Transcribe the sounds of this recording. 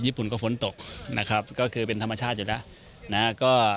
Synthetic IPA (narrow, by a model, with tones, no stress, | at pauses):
jiː˥˩pu˨˩nkɔː˥˩fo˩˦nt̪o˨˩k̚na̰˦˥kʰɾa˦˥p̚kɔː˥˩kʰɯː˧pe˧nt̪ʰa˧mːa˧t͡ɕʰaː˥˩t̪̚juː˨˩lɛ˦˥ʔ | na˦˥kɔː˥˩